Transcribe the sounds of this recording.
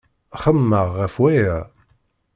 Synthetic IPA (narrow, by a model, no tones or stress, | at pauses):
χəmːəʁːəfwæjəɾ